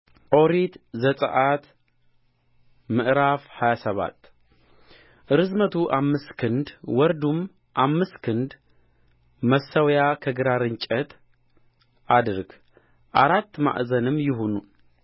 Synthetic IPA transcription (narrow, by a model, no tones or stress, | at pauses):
ʔo̞ɾit̪zəsʼə̰ʔat̪ | mɨʔɾafhajasəβa̰t̪ː | ʔɨɾɨzmət̪ʰuʔamːɨskʰɨnd̪wɔɾd̪um | ʔamːɨskʰɨnd̪ | məsːəwjakʰəɡɨɾaɾɨɲt͡ʃʼət̪ | ʔad̪ɨɾɡ | ʔaɾat̪ːma̰ʔzənɨmːjɪɦonu